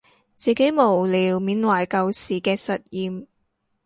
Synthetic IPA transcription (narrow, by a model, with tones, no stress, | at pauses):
t͡siː˨ke˨˥jmo˨˩wliː˨wmiː˨˥nwɐ˨˩jkɐ˧wsiː˨˩kɛː˧sɐ˨t̚jiː˨˧m